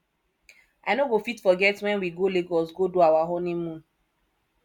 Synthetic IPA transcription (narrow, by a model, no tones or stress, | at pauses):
aɪnoɡofitfɔɡɛtwɛ̃nwiɡoleɡɔsɡodoawaɦonimũn